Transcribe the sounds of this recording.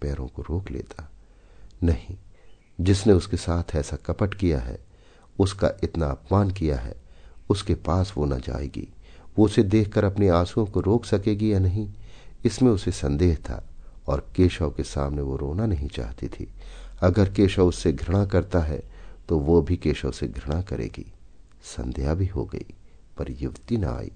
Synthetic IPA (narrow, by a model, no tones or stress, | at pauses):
pɛːɾõ̰koɾoːklḛːt̪ʰa | nɐɦĩ | d͡ʒɪsneʊskesaːt̪ʰɛːsakɐpəʈkija̰ɦɛ̰ | ʊska̰ʔɪt̪naɐpmaːnk̬ija̰ɦɛ̰ʊskepaːsʋona̰d͡ʒa̰ːḛːɡḭʋoʊsed̪eːkʰkəɾɐpniaːsuõkoɾoːksɐkeːɡijanɐɦĩɪsmẽʊsesɐ̃nd̪eːɦt̪ʰa̰ɔːɾkeːʃaokesaːmneʋoɾoːnanɐɦĩt͡ʃa̰ːɦt̪it̪ʰḭɐɡəɾkeːʃaʊsːeɡʱɾɐɽ̃akɐɾt̪aɦɛ̰t̪oʋobʱikeːʃəseɡʱɾɐɽ̃akɐɾḛːɡḭ | sɐ̰̃nd̪ejabʱiɦo̰ɡɐ̰ḭ | pɐɾjʊʋt̪inɐ̰a̰ːḭː